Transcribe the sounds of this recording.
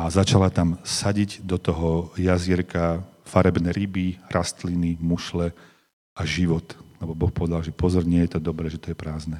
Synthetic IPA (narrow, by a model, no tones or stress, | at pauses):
azat͡ʃalat̪amsaɟiɟd̪ɔt̪ɔɦɔjazɪɛɾkafaɾɛbnɛɾibiɾʔast̪linimuʃlɛ | aʒiʋɔt̪lɛbɔbɔxpɔʋɛd̪alʒɛpɔzɔɾɲɪɛjɛt̪ɔd̪ɔbɾɛːʒɛt̪ɔjɛpɾaːznɛ